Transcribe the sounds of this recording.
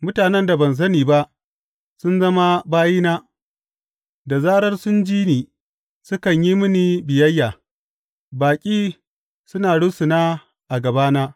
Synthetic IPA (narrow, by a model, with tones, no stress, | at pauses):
mʊ˦taː˨nɛ˦nda˨bɐ˨ns̬ɐ˦niː˨ba˦ʔ | sʊ˦nzɐ˦ma˦baː˦jiː˦naː˦ | da˨zaː˦ɽɐ˦rsʊ˦nd͡ʒiː˦niː˨ | sʊ˦kɐ˨ɲji˦mʊ˦ni˨bɪ˨jɐ˦jːaː˨ | baː˨kʲʼiː˦ | sʊ˦naː˨ɽʊ˦su˨naː˦ | ʔa˨ɡɐ˨baː˦naː˦